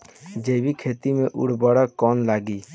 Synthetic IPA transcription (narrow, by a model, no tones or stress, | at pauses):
d͡ʒebikʰet̪imeʔṵɽ̤bɔɽakɔnlaɡi